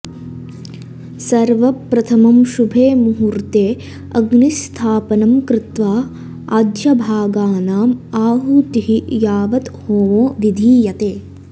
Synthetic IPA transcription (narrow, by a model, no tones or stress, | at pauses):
sɐɾʋɐpɾɐt̪ʰɐmɐmʃubʱeːmuɦuɾt̪eː | ɐɡnist̪ʰaːpɐnɐmkɾɪt̪ʋaː | ad̪jɐbʱaːɡaːnaːmaːɦut̪iɦijaːʋɐt̪hoːʋoːʋid̪ʱiːjɐt̪eː